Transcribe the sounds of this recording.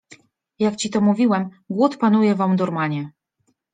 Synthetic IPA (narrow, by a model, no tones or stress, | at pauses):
jakt͡ɕit̪ɔmuvʲiwɛm | ɡwut̪panujɛvamd̪ɔɾmaɲɛ